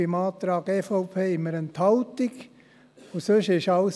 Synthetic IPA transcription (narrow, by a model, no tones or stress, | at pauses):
imɑːt̪ɾɑːɡɛfɑʊpʰeːɪməɾənt̪ʰhaʊt̪ɪk | ʊsøʃɪʃɑʊs